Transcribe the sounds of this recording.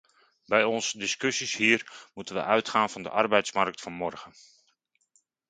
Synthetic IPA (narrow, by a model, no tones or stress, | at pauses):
bɛjɔnsdɪskøsishiːərmutənʋə̰ʔœɥtχaːnfɑndə̰ʔɑrbɛjtsmark̚tfɑnmɔrɣən